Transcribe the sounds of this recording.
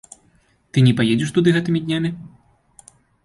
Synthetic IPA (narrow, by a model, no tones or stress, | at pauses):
t̪ɨnʲɛpajed͡zʲɛʂt̪ud̪ɨɣɛt̪ɨmʲid̪ʲnʲamʲi